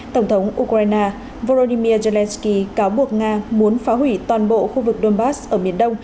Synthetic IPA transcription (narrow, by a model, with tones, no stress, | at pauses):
t̪ə˧˩wŋ͡mt̪ʰə˨˦wŋ͡mʔu˧kɾaː˧jnaː˧ | vo˧lo˧ɗi˧mi˧əze˧lɛ˧nski˧kaː˨˦wɓu˨˩ək̚ŋaː˧mu˨˦ənfaː˨˦ɦwi˧˩t̪waː˨˩nɓo̰˧˨xu˧vɨ˨˩k̚ɗo˧nɓaː˦˥sʔəː˧˩mi˨˩ənɗə˧wŋ͡m